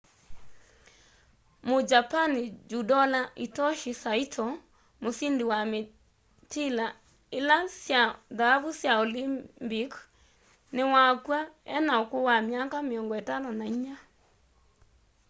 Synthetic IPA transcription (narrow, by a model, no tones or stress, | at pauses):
mod͡ʒapanid͡ʒudɔlaʔitɔʃisaitʰɔ | mosindewame | tila | elasjaðaavusjaolibik | newakwaɛnaokowamjakameɔŋɡɔɛtanɔnaiɲa